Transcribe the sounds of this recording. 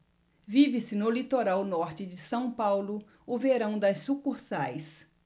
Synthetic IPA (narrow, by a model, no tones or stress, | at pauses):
vivɪsɪnʊlit̪oɾawnɔɾt͡ʃɪd͡ʒɪsɐ̃w̃pawlʊ | ʊveɾɐ̃w̃d̪ɐsːukuɾsajs